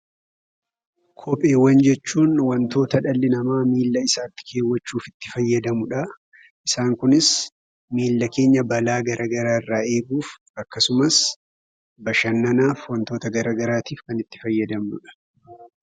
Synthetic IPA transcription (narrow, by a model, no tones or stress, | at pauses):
kʰɔpʼe̞ːwɐnd͡ʒɛt͡ʃːuːnwɐnt̪o̞ːt̪ɐᶑɐlːɪnɐmaːmiːlːɐɪsaːt̪ːɪ̥kʰe̞ːwːɐt͡ʃːuːfɪt̪ːɪfɐjːɐd̪ɐmʊᶑɐ | ʔɪsaːŋkʊnɪs | miːlːɐke̞ːɲːɐbɐlaːɡɐɾʔɐɡɐɾaːɪrːaːe̞ːɡuːf | ɐkːɐsʊmɐs | bɐʃɐnːɐnaːfwɐnt̪o̞ːt̪ɐɡɐɾɐːɡɐɾaːt̪iːfkɐnɪt̪ːɪfɐjːɐd̪ɐmnʊ̰ᶑɐ̥